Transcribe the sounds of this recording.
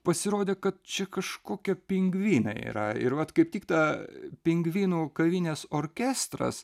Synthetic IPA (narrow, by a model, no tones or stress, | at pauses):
pɐsʲɪɾoːd̪ʲeːkɐt̪̚t͡ʃʲɛkɐʃkoːkʲɛpʲɪŋɡʋʲiːnɐ̰ḭːɾɐɪ̰ɾʋɐt̪kɐɪptʲɪkt̪ɑpʲɪŋɡʋʲiːnuːkɐʋʲinʲeːsoːɾʲkʲæːst̪ɾɐ̰s